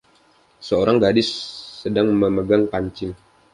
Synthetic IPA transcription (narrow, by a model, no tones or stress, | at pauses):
səoɾaŋɡadɪsːədaŋməməɡaŋpaɲt͡ʃɪŋ